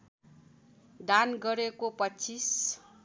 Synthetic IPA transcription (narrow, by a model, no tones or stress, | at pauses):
d̪anɡʌɾekopʌt͡sʰis